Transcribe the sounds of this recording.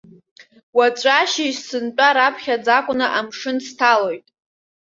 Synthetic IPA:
wat͡ʃʷʼaʃiʃsɨnt͡ʃʼaɾapʰχʲad͡zakʷʼʊnaʔamʂɨnstʰalo̞jtʼ

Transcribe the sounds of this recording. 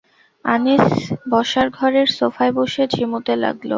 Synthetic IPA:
anisbɔʃaɾɡʱɔɾeɾsofaeboʃed͡ʑʱimut̪ela̰ɡlo̰

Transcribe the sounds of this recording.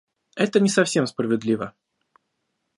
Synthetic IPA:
ɛt̪ənʲɪsɐfsʲe̞msprəvʲɪd̪lʲivə

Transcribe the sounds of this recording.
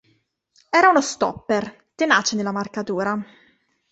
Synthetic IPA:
ɛːɾaunost̪ɔ̰pːer | t̪enaːt͡ʃed̪elːamarkat̪uːɾa

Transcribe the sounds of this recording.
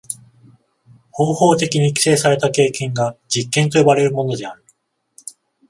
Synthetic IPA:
ho̞ːho̞ːt̪e̞kʲiɲ̟ikʲi̥se̞ːsaɾe̞t̪ake̞ːkẽ̞ŋɡad͡ʑikːẽnt̪o̞jobaɾe̞ɾɯ̟mo̞no̞d̪e̞aɾɯ̟

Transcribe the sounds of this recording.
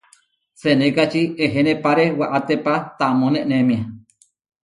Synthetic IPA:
senekat͡ʃieɦenẽpaɾewaʔat̪epat̪amõnẽʔnemĩa

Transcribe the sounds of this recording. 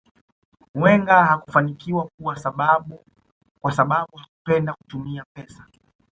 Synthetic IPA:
wɛŋɡahaku̥fanikiwakuwasaɓaɓu | kwasaɓaɓuhakupɛndaku̥tumiapɛsḁ

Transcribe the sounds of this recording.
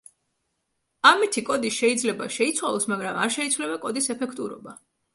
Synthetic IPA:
amit̪ʰikʼɔd̪iʃɛid̪zlɛbaʃɛit̪sʰwalˠɔsmaɡɾama̰ɾʃɛit̪sʰwlɛbakʼɔd̪isɛpʰɛkʰt̪ʼuɾɔ̰ba

